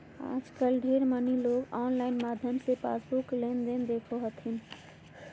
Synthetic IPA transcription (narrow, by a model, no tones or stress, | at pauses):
a̰ːd͡ʒkəlɖʱeɾməniloɡɔːnlaɪnmad̪ʱjəmsepa̰sbuklend̪end̪ekʰoɦət̪ʰin